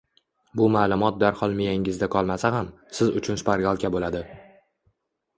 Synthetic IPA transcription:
bʊmaːlˠʊmɒt̪̚d̪aɾχɒlˠmɪjaŋɪzd̪akʰɒlˠmasaham | sɪzʊt͡ʃʰʊnsʊ̥pʰaɾɡʲalˠkʲabolad̪ɪ

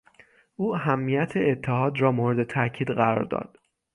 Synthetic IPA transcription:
ʔuːæɦæmːijæt̪ʰeet̪ʰːeɦɒːd̪rɒːmoːɾed̪e̞t̪ʰæcʰiːd̪ɢæɾɒ̰ːɾd̪ɒ̰ːd̪̥

